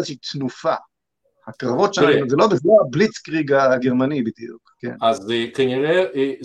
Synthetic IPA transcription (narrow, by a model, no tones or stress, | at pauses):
zeʃit̪nufa | hakʁavo̞tʃeazelo̞bezoablit͡skʁiɡaɡeʁmanibid̪iṵkkḛnazkaniʁe